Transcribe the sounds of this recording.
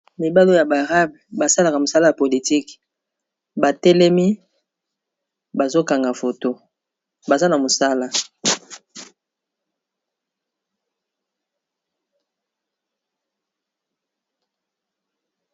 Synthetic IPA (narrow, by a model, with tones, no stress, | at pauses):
mi˨ba˦lo˦ja˨ba˨ʁa˦bba˨sa˦la˨ka˨mo˨sa˦la˦ja˨po˨li˨ti˦k | ba˨tɛ˦lɛ˦mi˦ | ba˨zo˦ka˨ŋɡa˨fo˨to˦ | ba˨za˦na˨mo˨sa˦la˦